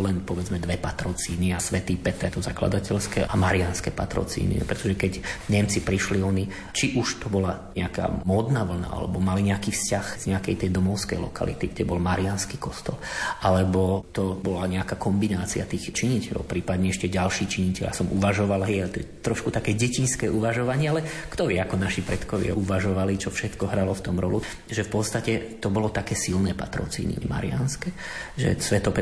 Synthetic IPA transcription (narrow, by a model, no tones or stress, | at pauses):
lɛnpɔʋɛd͡zmɛd̪ʋɛpat̪ɾɔt͡siːniasʋɛt̪iːpɛt̪ɛt̪ɔzakla̰d̪acɛlskɛamaɾianskɛ̰pa̰t̪ɾɔ̰t͡sḭːnḭpɾɛt̪ɔʒɛkɛɟɲɛmt͡sipɾiʃliɔni | t͡ʃiʔuʃt̪ɔbɔlaɲɛaka̰ːmɔːd̪naːʋl̩na̰a̰lɛ̰bɔmaliɲɛakiːfscaxz̥ɲɛakɛjt̪ɛjd̪ɔmɔʊskɛ̰jlɔ̰ka̰lḭt̪iɡɟɛbɔlmaɾianskiːkɔst̪ɔlʔalɛbɔt̪ɔbɔlaɲɛakakɔmbinaːt͡siat̪iːxt͡ʃiɲicɛʎɔ̰ʊpɾiːpad̪ɲɛɛʃcɛɟalʃiːt͡ʃiɲicɛʎja̰sɔmʔuʋaʒɔʋalɦɛjalɛt̪ɔjɛt̪ːɾɔʃkut̪akɛːɟɛcinskɛːʔuʋaʒɔʋaɲɪɛalɛkt̪ɔʋɪɛakɔnaʃipɾɛt̪kɔʋɪa̰ʔuʋaʒɔʋalit͡ʃɔfʃɛt̪kɔɦɾalɔft̪ɔmɾɔlu | ʒɛfpɔt̪st̪acɛt̪ɔbɔlɔt̪akɛːsilnɛːpa̰t̪ɾɔ̰t͡sḭːnḭma̰ɾḭa̰nskɛʒɛ̰sʋɛt̪ɔpɛ